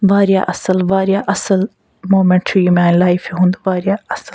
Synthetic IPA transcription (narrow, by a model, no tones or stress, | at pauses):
ʋaːɾja̰ʔɐsəlʋaːɾjaʔɐsəl | moːmẽɳʈʰɾimẽãːnlaːɪfeɦũnd̪uʋaːɾijaɐsəl